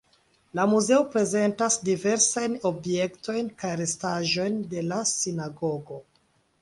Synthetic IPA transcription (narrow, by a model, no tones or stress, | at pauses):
lamuze̞opɾe̞ze̞ntasdive̞ɾsajno̞bje̞kto̞jnkajɾe̞staʒo̞jnde̞lasinaɡo̞ɡo̞